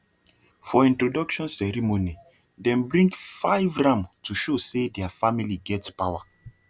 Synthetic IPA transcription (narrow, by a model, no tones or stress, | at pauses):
fɔĩntɹodɔkʃɔ̃nsɛɹimoni | dɛ̃mbɹĩŋɡfaɪvɹãmtuʃosedɛafamiliɡɛtpawa